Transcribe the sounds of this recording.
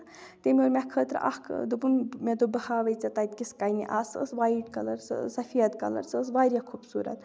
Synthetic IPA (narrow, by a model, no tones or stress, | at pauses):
t̪emʲioɾmʲakʰəːt̪ɾ̰ʔa̰hkʰd̪ubunmʲed̪obəhaːʋɐjt͡sɐt̪ajt̪̚kʲiskajniʔaːsə̰sʋaːjʈkɐləɾssɐfʰijɐt̪kɐ̰lə̰ɾsʰəsʋaːɾjakʰubsuːɾɐ̰t̪